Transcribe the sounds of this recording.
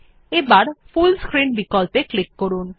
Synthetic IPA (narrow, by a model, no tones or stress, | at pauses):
ebaɾfulskɾinbikɔlpeklikːoɾun